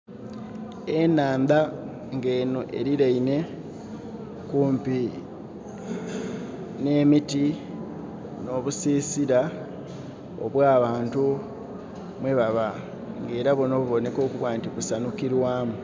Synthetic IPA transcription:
enaːnd̪a | ŋɡe̞ːnuʔe̞̰ɾiɾaine̞ | kuːmpi | ne̞ːmiti | no̞βusiːsiɾa | o̰βwaːβaːntu | mwe̞βaβa | ŋɡe̞ːɾaβonoβuβo̞ne̞ko̞ːkuβwaːntikusanukiɾwaːmu

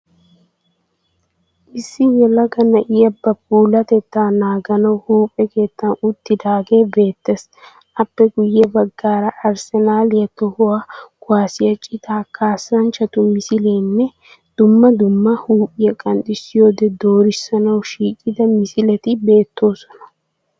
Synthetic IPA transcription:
ʔɪsːɪwɛlɐɡɐnɐʔɪjɐbɐpʼuːlɐt̪ɛt̪ːaːnaːɡɐnɐwhuːpʼːɛke̞ːt̪ːɐnʊt̪ːɪd̪aːɡe̞ːbe̞ːt̪ːes | ʔɐpːɛɡʊjːɛbɐɡːaːɾɐʔɐɾsɛnaːlɪjɐt̪ɔhʊwaːɡ̥ʊwaːsɪjɐt͡ʃʼɪt̪aːkʰaːsɐnt͡ʃːɐt̪ʊmɪsɪleːnːɛ | d̪̥ʊmːɐd̪ʊmːɐhuːpʼːɪjɐkʼɐnt̪ʼɪsɪjo̞ːd̪ɛd̪o̞ːɾɪsːɐnɐwʃiːkʼɪd̪ɐmɪsɪlɛt̪ɪbe̞ːt̪ːo̞ːsɔ̥nɐ̥

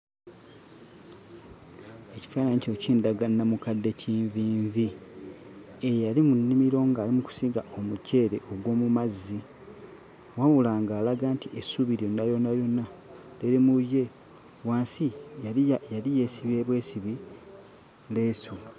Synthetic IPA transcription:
e̞ci̥faːnaɲico̞ciːndaɡanːamukadːe̞ciːɱviːɱvi | ejalimunːimiɾo̞ːŋɡaːlimuku̥siɡao̞muce̞ːɾe̞ʔo̞ɡwo̞ːmumazːi | wawulaːŋɡaːlaɡaːntiʔesuβiɾjo̞nːajo̞nːajo̞nːa | leɾemuje̞ | waːnsijalijajalije̞ːsiβieβwe̞ːsiβi | le̞ːsu

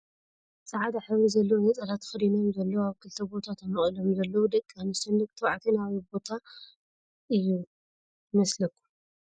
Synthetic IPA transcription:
sʼɐʕad̪aħaβizɐlːɐwnɐt͡sʼɐlat̪ʰxɨɾino̞mzɐlːɐwaβkʰɨlt̪ʰɐbo̞t̪ʰat̪ʰɐmɨχʼɨlomzɐlːɐwud̪ɐkʼːanɨsɐnɨkt̪ʰɐwʕat̪ʰinaβibo̞t̪ʰa | ʔɨjːu | mɐslɐkʰːu̥

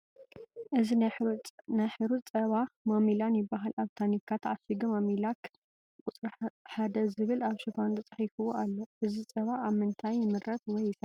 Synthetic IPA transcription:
ʔɨzi | najħɨɾut̪t͡sʼɐβamomilanjɪbːaɦalaβt̪ʰanikʰːat̪ʰʕasiɡumomilak | kʼʊt͡sʼɾɐħad̪ɐzɨβɨlaβʃɨfont̪ʰɐt͡sʼɐħifɨwoʔalːoʔɨzit͡sʼɐβaːβmɨnt̪ʰajːɪmɨɾʔɐt̪wɔjːɪsɐ

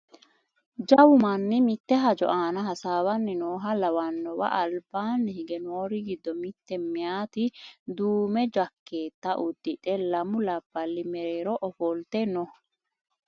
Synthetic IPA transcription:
d͡ʒɐwʊmɐnːɪmɪt̪ːɛɦɐd͡ʒɔ̰ʔaːnɐɦɐsaːwɐnːɪnoːɦɐlɐwɐnːɔwɐ̰ʔɐlbaːnːɪhɪɡɛnoːɾɪɡɪd̪ːɔmɪt̪ːɛmɪjaːt̪ɪd̪uːmɛd͡ʒɐkːe̞ːt̪ːɐʔʊd̪ːɪᶑɛlɐmʊlɐb̥ːɐlːɪmɛɾeːɾɔʔɔfɔlt̪ɛnɔ

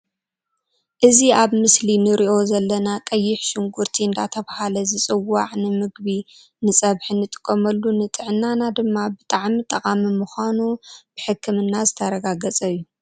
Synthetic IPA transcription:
ʔɨziaβmɨslinɨɾʔiʔo̞zɐlːɐnakʼɐjːɪħʃɪŋɡuɾt̪ʰiɨnd̪a̰t̪ʰɐβahalɐzɨt͡sʼɨwːaʕnɨmɨɡbi | nɨsʼɐβħinɨt̪ʼɨ̥kʼːɐmɐlːunɨt̪ʼɨʕnːanad̪ɨmːabɨt̪ʼaʕmit̪ʼɐkʼamimuxʷanub̥ɨħɨkʰːɨmɨnːazɨt̪ʰɐɾɐɡaɡɐt͡sʼɐjːu

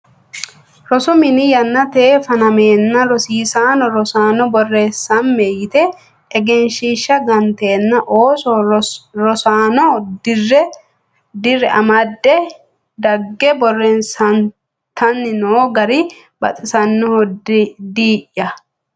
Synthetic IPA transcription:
ɾɔsʊmɪnɪjɐnːɐt̪eːfɐnɐmeːnːɐɾɔsiːsaːnɔɾɔsaːnɔbɔrːeːsːɐnmejɪt̪ɛ | ɛɡɛnʃiʃːɐɡɐnt̪e̞ːnːɐʔoːsɔɾɔsaːnɔdrɛ | d̪ɪrːɛʔɐmɐd̪ːɛ | d̪ɐɡːɛbɔrːensɐn | t̪ɐnːɪnoːɡɐɾɪ | bɐ̰t̪ʼɪsɐnːɪhɔdd̪iːʔːɐ

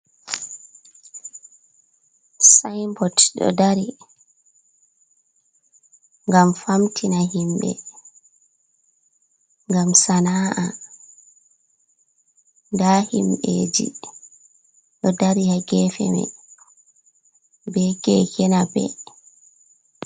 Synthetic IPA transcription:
sajmbɔtɗɔ̰daɾi | ŋɡamfamtʰinaɦimɓɛ̰ | ŋɡamsanaːʔa | ndaːhimɓḛːd͡ʒḭ | ɗɔdaɾihaɡɛfɛ̰mɛ̰ | bɛkɛkɛnabɛ̰

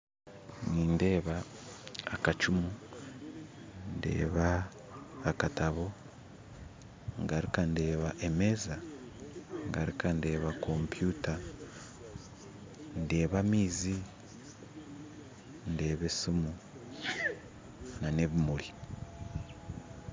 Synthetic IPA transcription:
niːnde̞ːβaː | kat͡ʃumu | nde̞̰ːβaː | kataβo̞ | ŋɡaɾikande̞ːβaʔeme̞ːza | ŋɡaɾikʰande̞ːβakʰompjuta | nde̞ːβamiːzi | nde̞ːβesumu | nane̞βimuli

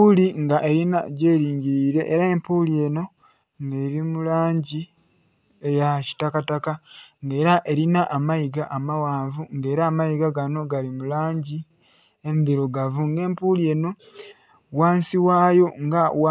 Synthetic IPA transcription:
uliŋɡaʔe̞ɾina̰ɟe̞ːɾiːɲɟiɾiːɾe̞ʔːɾae̞mpuːlie̞ːno̞ | ŋɡe̞ːɾimulaːɲɟi | ejaci̥takatakaŋɡe̞ːɾaʔe̞ɾinaʔamajiɡaʔːmawaːɱvuŋɡe̞ːɾaːmajiɡaɡano̞ɡalimulaːɲɟi | emiβiɾoɡavuŋɡe̞ːmpuːlie̞ːno̞ | waːnsiwaːjo̞ŋɡawa

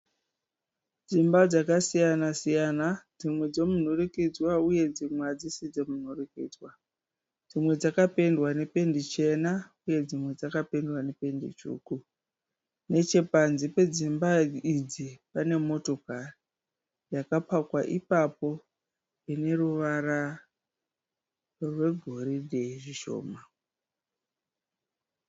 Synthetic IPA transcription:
d͡zimbad͡zakasijanasijanad͡zimwe̞d͡zo̞mun̤urikid͡zwauje̞d͡zimwad͡zisid͡zo̞mun̤urikḭːd͡zwa | d͡zimwe̞d͡zakape̞ndwane̞pe̞ndit͡ʃe̞nauje̞d͡zimwe̞d͡zakapendwanepe̞ndḭt͡ʃṵːku | ne̞t͡ʃe̞panzipe̞d͡zimbaid͡zipane̞mo̞to̞kari | jakapakwaʔipapo̞ | ine̞ruʋara | rwe̞ɡʱo̞ɾiɗe̞iʐiʃo̞̰ːma

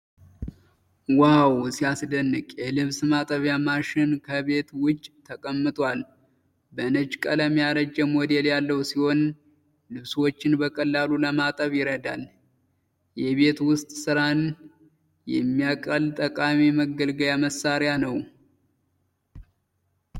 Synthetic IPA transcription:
wawsiasd̪ənːɨkʼjɛlɨβsmat̪ʼəβjamaʃɪnkʰəβe̞t̪wʊt͡ʃːʼt̪ʰːəkʼəmːɨt̪ʼwal | bənəd͡ʒkʼələmːijaɾəd͡ʒɛmod̪e̞ljalːəhwsiho̞n | lɨβswo̞t͡ʃːɪnbəkʼəlːaluləmat̪ʼəβjɪɾəd̪a̰l | jɛβe̞t̪wʊst̪ʼsɨɾan | jɛ̰mːijakʼəlt̪ʼəkʼamiməɡəlɡəjaməsaɾɪjanəw

